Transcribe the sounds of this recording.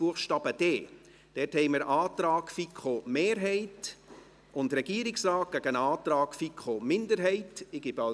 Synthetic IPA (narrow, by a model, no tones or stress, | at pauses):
b̥uəχʃtɑːb̥əd̥eː | d̥ɛthɛɪməɾɑːt̪ɾɑːkfikχomeːɾɦɛɪt | ʔʊndɾɛɡ̥iəɾɪksrɑːt̚ɡ̥æɡənɑːt̪ɾɑːkfikχomɪndəɾɦɛɪtɪɡ̥ɪbɑ